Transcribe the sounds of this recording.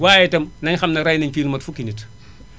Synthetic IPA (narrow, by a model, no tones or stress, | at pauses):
waːjɛtɐmnɐɲxɐmnɐɾajnɐɲfiːnumɐtfukːinit